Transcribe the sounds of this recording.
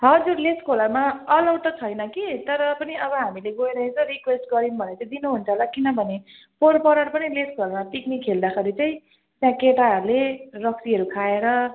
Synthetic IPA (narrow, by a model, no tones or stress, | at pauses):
ɦʌd͡zurleskʰolʌrmaʌlʌwʈ̪ʌt͡sʰʌjnʌkit̪ʌɾʌpʌniʌbʌɦamileɡojɾʌɦet͡sʰʌ̃ɾikwesʈɡʌɾinbʱʌneʌt͡saĩd̪inuɦunt͡sʰʌɦlakinʌbʱʌne | porpʌɾaɽpʌnileskʰolʌrmaʈiknikɦeld̪axeɾit͡saĩ | t̪jãkeʈaɦʌɾulerʌksiɦʌɾukʰaeɾʌ